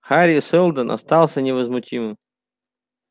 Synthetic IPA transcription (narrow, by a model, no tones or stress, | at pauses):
xaɾʲisɛlˠd̪ənʔa̰st̪alˠsʲənʲɪvəzmʊtʲimɨm